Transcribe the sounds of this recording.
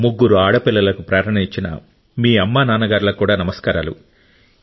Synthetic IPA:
muɡːuɾuaːɽɐpilːɐlɐkupɾaːɾɐɳiɲt͡ʃinɐ̰ | miːɐmːaːnaːnɐɡaːɾulɐkuːɽaːnɐmɐskaːɾaːlṵ

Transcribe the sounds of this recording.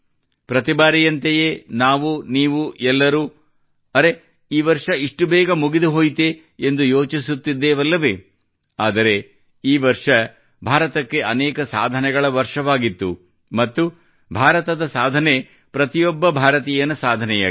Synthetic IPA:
pɾɐt̪ibaːɾijɐnt̪ejeːnaːʋuniːʋuɛlːɐɾuː | ɐɾe̞ | iːʋɐɾʂɐiʂʈubɛːɡɐmuɡid̪uɦoːjt̪e | end̪ujo̞ːt͡ʃisut̪ːid̪ːeːʋɐlːɐʋe | aːd̪ɐɾe̞ | iːʋɐɾʂɐ | bʱaːɾɐt̪ɐkːe̞ʔɐnɛːkɐsa̰ːd̪ʱɐnɛɡɐɭɐʋɐɾʂɐʋaːɡit̪ːṵ | mɐt̪ːu | bʱaːɾɐt̪ɐd̪ɐsaːd̪ʱɐne̞ | pɾɐt̪ijɔbːɐbʱaːɾɐt̪ijɐnɐsaːd̪ʱɐnɛja̰ː

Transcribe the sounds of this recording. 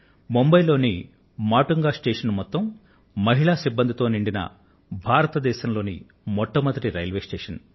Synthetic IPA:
mombɐjlo̞ːni | maːʈuŋɡaːsʈeːʂɐnmɔt̪ːɐm | mɐɦiɭaːsibːɐnd̪ʱit̪o̞ːniɳɖinɐ̰ | bʱaːɾɐt̪ɐd̪ɛːʃɐmlo̞ːnḭ | mɔʈːɐmɐnt̪ɾiɾɐjɐlʋe̞ːsʈeːʂɐn

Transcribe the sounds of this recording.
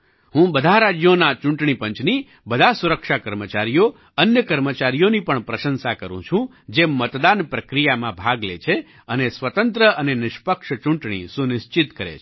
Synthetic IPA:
ɦũbəd̪ʱaɾad͡ʒjonat͡ʃũɳʈɳ̃ipəɲt͡ʃni | bəd̪ʱasuɾəkʃakəɾmət͡ʃaɾijo | ənjəkəɾmət͡ʃaɾijonipəɳpɾəʃənsakəɾṵ̃t͡ʃʰũ | d͡ʒemət̪d̪anpɾəkɾijamãbʱaɡlḛt͡ʃʰe | ənesʋət̪ənt̪ɾəʔənenɪʃpəkʂt͡ʃũɳʈɳ̃ḭsunɪst͡ʃɪt̪kəɾḛt͡ʃʰ

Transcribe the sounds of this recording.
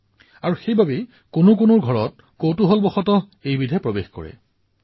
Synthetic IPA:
aɹuxejbabe | kʊnʊk̬ʊnʊɹɡʱɔɹɔt̚ | kotuɦɔlbɔxɔtɔ | ejbidʱɛpɹɔbexkɔ̰ɹɛ̰

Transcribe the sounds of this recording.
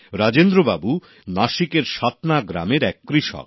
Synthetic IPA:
ɾad͡ʑend̪ɾoba̰bu | naʃikeɾʃat̪naɡɾa̰meɾɛkːɾiʃɔ̰k

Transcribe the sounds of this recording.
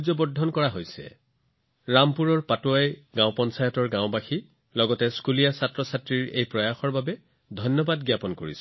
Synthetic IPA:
zɔbɔdʱɔnkɔɹaɦojsɛ̰ | ɹampuɹɔɹpatuajɡãʊ̃pɔnsajɔtɔɹɡãʊbaxi | lɔɡɔtɛskulijasatɹɔsatɹiɹḛjpɹɔjaxɔɹbabɛ | dʱɔjnːɔbadɡjapɔnkoɹḭs

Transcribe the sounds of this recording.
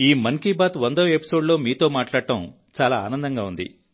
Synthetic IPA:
iːmɐŋkiːbaːt̪ʋɐnd̪ɐʋepi̥so̞ːɖlo̞ːmiːt̪o̞ːmaːʈlaːɽɐʈɐm | t͡ʃaːlaːa̰ːnɐnd̪ɐŋɡaːund̪ḭ

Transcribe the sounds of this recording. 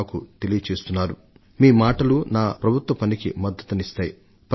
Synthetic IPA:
kut̪e̞lijɐt͡ʃe̞ːst̪unːaːɾu | miːmaːʈɐlunaːpɾɐbʱut̪ʋɐpɐnikḭmɐd̪ːɐt̪unist̪aːji | p

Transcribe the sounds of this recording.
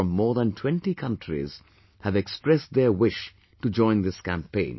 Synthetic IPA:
ʌ̃mːɔːɾðæ̃ntʰw̥ɛ̃nʈikʰʌ̃nʈʰɾḭz̥ | hæʋɛkspɾɛsd̪ə˞wɪʃ | ʈud͡ʒɔ̃ɪ̃nd̪ɪskæ̃mpẽɪ̃n

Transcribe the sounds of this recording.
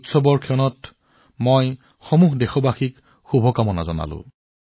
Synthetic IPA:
tsɔbɔɹkʰɛɔnɔt | moj | xɔmuɦdexɔbaxik | xubʱɔkamɔna̰zɔna̰lʊ̰̃

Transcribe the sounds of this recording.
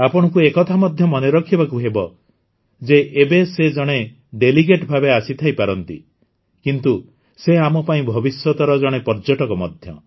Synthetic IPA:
apɔɽ̃ɔkuekɔt̪ʰamɔd̪ʱjɔmɔneɾɔkʰibakuɦebɔ | d͡ʒeʔebesed͡ʒɔɽ̃e | ɖeliɡeʈbʱabeasit̪ʰajpaɾɔnt̪ḭ | kint̪u | seamɔpaĩbʱɔbisjɔt̪ɔɾɔd͡ʒɔɽ̃epɔɾd͡ʒɔʈɔkɔmɔd̪ʱjɔ̰

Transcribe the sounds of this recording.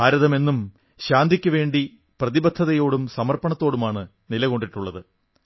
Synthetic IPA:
aːɾɐðɐme̞nːum | ɕaːnd̪ʱikʲːuʋe̞ːɳɖi | prɐðibɐt̪ʰːɐðɐjo̞ːɽumsɐmɐrpɐɳɐt̪ːo̞ːɽumaːɳɨ | nilɐɣo̞ɳɖiʈːuɭːɐðɨ

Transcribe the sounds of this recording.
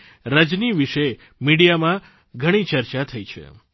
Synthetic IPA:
ɾəd͡ʒniʋiʃe | miɽijamã | ɡʱəɽ̃it͡ʃəɾt͡ʃat̪ʰəit͡ʃʰḛ

